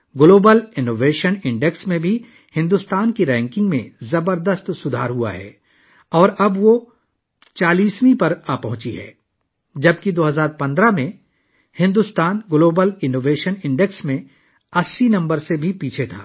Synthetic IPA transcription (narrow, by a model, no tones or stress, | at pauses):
ɡloːbəlɪnoːʋeːʃənɪ̃ɳɖeksmẽbʱi | hɪ̃nd̪ust̪aːnkiɾɛ̃ːŋkɪ̃ŋɡmẽzɐbəɾd̪əst̪sʊd̪ʱa̰ːɾɦua̰ɦɛ̰ː | ɔːɾɐbʋo | t͡ʃaːliːswĩpɐɾaːpɐɦʊ̃t͡ʃiɦɛ̰ː | d͡ʒɐbkid̪oːɦɐzaːɾpɐ̃nd̪ɾamẽ | hɪ̃nd̪ʊst̪aːnɡloːbəlɪnoːʋeːʃənɪ̃ɳɖeksmẽ | ɐsːinɐ̃mbəɾsebʱipiːt͡ʃʰet̪ʰa̰ː